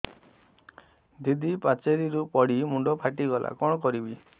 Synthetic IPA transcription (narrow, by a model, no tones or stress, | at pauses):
d̪id̪ʱipat͡ʃeɾiɾupɔɽimuɳɖɔpʰaʈiɡɔlʔa̰kɔɽ̃ɔkɔɾibi